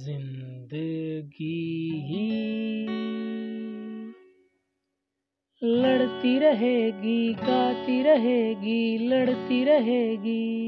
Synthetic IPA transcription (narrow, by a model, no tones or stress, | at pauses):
zɪnd̪əɡiɦi | lɐɽt̪iɾəɦeːɡikaːt̪iɾəɦeːɡiːlɐɽt̪iɾəɦeːɡiː